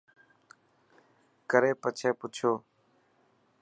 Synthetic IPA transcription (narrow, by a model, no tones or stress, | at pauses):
kəɾeːpət͡ʃʰeːpʊt͡ʃʰoː